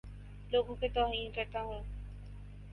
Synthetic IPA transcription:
loːɡõket̪ɔːɦiːnkɐɾt̪aɦɛː

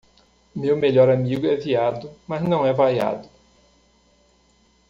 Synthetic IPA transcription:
mewmeʎɔɾamiɡʊɛviad̪ʊmɐznɐ̃w̃ɛvaja̰d̪ʊ

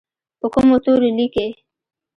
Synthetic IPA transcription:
pəkʊmot̪oɾolike

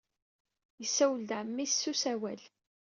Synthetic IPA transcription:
jəsːæwəld̪ʕmːissusæwæl

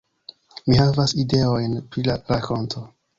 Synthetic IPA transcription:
mihavaside̞o̞jnpɾilaɾakʰo̞ntʰo̞

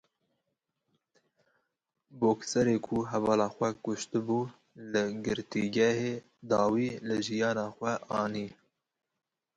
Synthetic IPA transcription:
boːksɛɾeːkʰuɦɛvɑːlɑːxʷɛkʊʃt̪ɨbuː | lɨɡɨɾt̪iɡɛheː | d̪ɑːwiːlɨʒijɑːnɑːxʷɛʔɑːniː

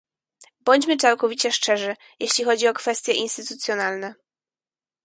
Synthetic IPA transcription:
bɔɲd͡ʑmɘt͡ʂawkɔvʲit͡ɕɛʂt͡ʂɛʐɘ | jʔeɕlʲixɔd͡ʑiɔkfɛst̪ʲjɛʔinst̪ɘt̪ut̪sʲjɔnalnɛ

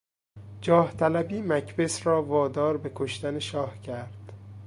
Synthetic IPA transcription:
d͡ʒɒːht̪ʰælæbiːmæcʰbe̞sɾɒːvɒːd̪ɒːɾbe̞kʰoʃt̪æneʃɒːhcʰæɾd̪̥

